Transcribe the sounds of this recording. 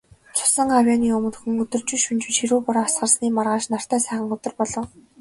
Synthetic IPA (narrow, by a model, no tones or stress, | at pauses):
t͡sʰʊ̥sə̆ŋawjaniːɵmɵ̆xɵ̆ŋɵt̪ɵ̆rt͡ɕŭːʃunt͡ɕɘ̥̆t͡ɕxiɾuːpʊɾaːasɢə̆rsniːmarʁaːʃnar̥t̪æːsæːχə̆ŋɵt̪ɵ̆rpɔɮɞ̆w